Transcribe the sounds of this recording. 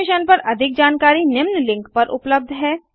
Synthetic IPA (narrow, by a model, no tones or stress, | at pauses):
ɪʃənpɐɾʔɐd̪ʱɪk̚d͡ʒaːnkaːɾinɪmnlɪ̃ŋkpɐɾʔʊ̰pləb̚d̪ʱɦɛː